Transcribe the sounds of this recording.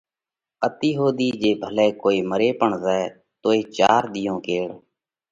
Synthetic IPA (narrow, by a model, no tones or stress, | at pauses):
ət̪iːɦoːd̪iːd͡ʒeːbʱəlɛːkoːiːməɾeːpəɳzɛː | t̪oːeːt͡ʃaːɾd̪ɪjõːkeːɽ